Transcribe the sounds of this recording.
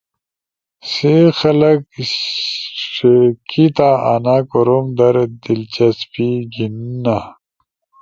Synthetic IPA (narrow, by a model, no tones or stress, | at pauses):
sexɐlɐk | ʂekʰit̪aanakoɾomd̪ɐɾd̪ilt͡ɕɐspiɡinna